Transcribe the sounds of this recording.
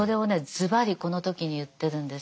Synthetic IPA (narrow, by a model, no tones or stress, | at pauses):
o̞ɾe̞one̞zɨbaɾʲiko̞no̞t̪o̞kʲiɲ̟ijɯt̪ːe̞ɾɯ̟̃nd̪e̞s